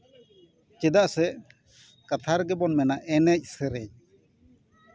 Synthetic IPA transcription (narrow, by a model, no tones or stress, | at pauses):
t͡ʃɛd̪aʔsɛʔ | kat̪ʰaɾɡɛbɔnmɛnaʔɛnɛc̚ˀsɛɾɛc